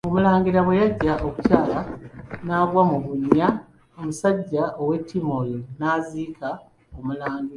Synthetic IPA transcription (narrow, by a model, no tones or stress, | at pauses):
o̞mulaːŋɡiɾaβwe̞jaɟːaʔoku̥caːlanaːɡwamuβuɲːa | omusaɟːaʔo̞we̞tːimolinaːziːka | omulaːŋɡiɾa